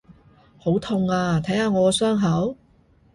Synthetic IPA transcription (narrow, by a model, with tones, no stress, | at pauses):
ho˨˥wt̪ʰʊ˧ŋaː˧t̪ʰɐ˨˥jhaː˧ŋɔː˨˧sœː˥ŋɦɐ˨˥w